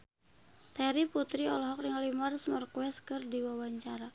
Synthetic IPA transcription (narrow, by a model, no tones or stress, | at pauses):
t̪ɛɾiput̪ɾiɔlɔɦɔk̚riŋalimarsmərkwɛskɨrdiwawaɲt͡ʃaɾa